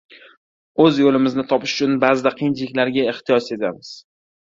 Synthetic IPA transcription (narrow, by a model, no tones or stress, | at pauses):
ɵzjolɪmɪznɪt̪ʰɒpʰɪʃʊt͡ʃʰʊnbaːzɪd̪aqʰɨjɪnt͡ʃlɪkʲlaɾɡʲaeht̪ijɒse̞t̪ʰamɪz̥